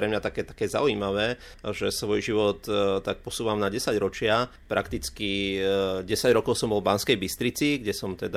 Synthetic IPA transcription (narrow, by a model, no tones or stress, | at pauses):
ɾɛmɲat̪akɛːt̪ḁkɛːza̰uiːmaʋɛː | ʒɛsʋɔjʒiʋɔt̪ːak̚pɔsuːʋamnaɟɛsaɟɾɔt͡ʃɪa | pɾakt̪it͡ski | ɟɛsaɟɾɔkɔʊsɔmbɔlvbanskɛjbist̪ɾit͡siɡɟɛsɔmt̪ɛd̪a